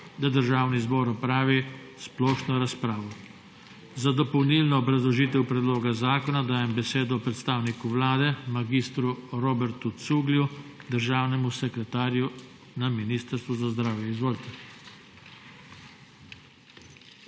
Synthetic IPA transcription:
d̪ad̪əɾʒaːwnizbɔːɾɔpɾaːʋi | splɔːʃnɔɾaspɾaːʋɔ | zad̪ɔpɔwnilnɔːbɾazlɔʒiːt̪ɛwpɾɛd̪loːɡazaːkɔnad̪aːjɛmbɛseːd̪ɔpɾɛt̪st̪aːwnikuʋlaːd̪ɛmaɡist̪ɾuɾoːbɛɾt̪ut̪suːɡljud̪əɾʒaːwnɛmusɛkɾɛt̪aːɾju | naminiːst̪əɾst̪ʋuzazd̪ɾaːwjɛizʋoːlt̪ɛ

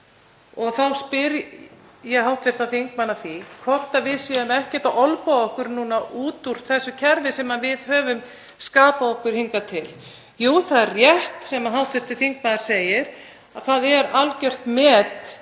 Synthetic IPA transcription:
ɔɣθawspɪɾ | jɛɦawht̪vɪɾ̥t̪aθiŋk̚manːaθikʰvɔht̪avɪðsjɛðʏmɛhcɛ̥t̪aɔlpaɔhkʏɾnuːnaʔuːt̪uɾ̥θɛsːʏcʰɛɾðɪsɛmːavɪðhœːvʏm | skaːpaðɔhkʏɾ̥hiŋkat̪ʰɪl | juːθaðrjɛht̪sɛmaɦawht̪vɪɾ̥t̪ʰɪθiŋk̚manaɾ̥seːjɪɾ̥ | aðθaðɛɾalcœr̥t̪mɛːt̪

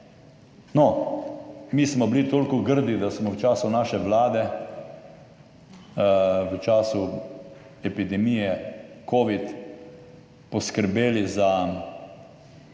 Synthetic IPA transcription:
nɔ | miːsmɔblit̪oːlkɔɡəɾd̪id̪asmɔwt͡ʃaːsunaːʃɛʋlaːd̪ɛ | ʋət͡ʃaːsu | ɛpid̪ɛmijɛkoːʋit̪ | pɔskəɾbeːliza

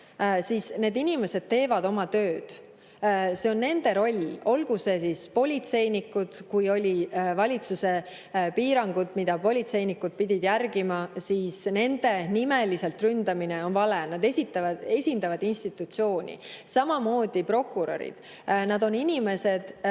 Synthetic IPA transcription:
sisne̞ːd̪inime̞se̞d̪̥̚t̪e̞ːvɑd̪o̞mɑt̪ø̞ːd̪̥ | se̞o̞nːe̞nd̪e̞ɾo̞lʲo̞lɡ̥use̞sispo̞lʲit̪se̞jnikːud̪̥kujo̞lʲivɑlʲit̪suse̞ | piːɾɑŋɡ̥ud̪̥mid̪̥ɑpo̞lʲit̪se̞jnikːud̪̥̚pid̪ʲid̪̥jærɡ̥imɑsiːsne̞nd̪e̞nime̞lise̞lt̪rynd̪̥ɑmine̞o̞nvɑle̞nɑd̪e̞sit̪ˑːɑve̞sʲind̪ɑvɑd̪inst̪it̪ːˑut̪sio̞ːnʲḭsɑmɑmo̞ːd̪̥ipro̞kˑːuɾo̞̰ɾḭd̪̥ | nɑd̪o̞ninʲime̞se̞d̪̥

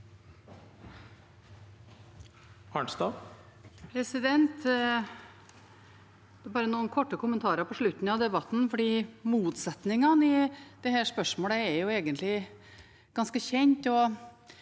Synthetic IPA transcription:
ʔɑːɳst̪ɑː | pʰɾɛsɪd̪ɛnt̪ | d̪̥ɛbɑːɾənuːnkʰɔʈːəkʰʊmənt̪ʰɑːɾəpʰɔʂɭʉt̪ːn̩ɑʋd̪ɛbɑt̪n̩fɔɖiːmuːt̪sɛt̪nɪŋɑnɪd̪̥ɛhæːʂpœʂmoːləɛɾjʊeːɡənt̪lɪ | ɡ̥ɑnskəçɛɲt̪ɔ

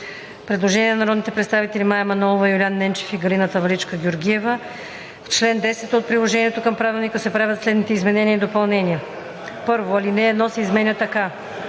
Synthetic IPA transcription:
pɾɛd̪lˠoʒɛniɛnnɐɾɔd̪nit̪ɛpɾɛt̪st̪avit̪ɛlimajɛmɐnɔlˠovɐjʊlianːɛnt͡ʃɛ̥fiɡɐlinət̪əvɐlit͡ʃkəɡʲoɾɡʲiɛvə | ft͡ʃlɛnd̪ɛsɛt̪ot̪̚pɾilˠoʒɛniɛt̪okɤmpɾavilˠnikəsɛpɾavʲət̪slɛd̪nit̪ɛizmɛnɛniəid̪opɐlˠnɛniə | pɤɾvoɐlinɛːd̪nɔsɛːzmɛnʲɛt̪ɐka

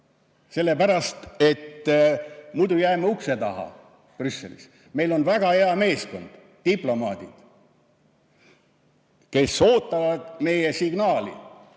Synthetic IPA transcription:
se̞lːe̞pæɾɑst̪e̞t̪ː | mujd̪ujæːmɑukse̞t̪ɑɦɑ̰ | prysːḛlḭs | me̞jlo̞nvæɡ̥ɑheɑme̞ːsko̞̰nd̪̥ːiplo̞mɑːd̪̥id̪̥ | ke̞so̞ːt̪ːˑɑvɑd̪̥me̞jesiɡ̥nɑːlḭ

